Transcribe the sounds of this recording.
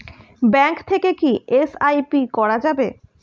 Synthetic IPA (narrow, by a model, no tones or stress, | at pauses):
bɛŋkt̪ʰekekiesajpikɔɾad͡ʑabe